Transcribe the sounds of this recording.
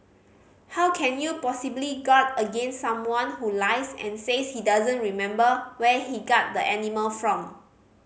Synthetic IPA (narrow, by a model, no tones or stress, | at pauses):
hawkʰɛ̃njupɔsibliɡɔtəɡẽnsːãmwɔ̃nhulaɪsɛ̰̃nseshidazə̃nɹimɛ̃mbəwɛhiɡɔt̚dəʔɛniməlfɹɔ̃m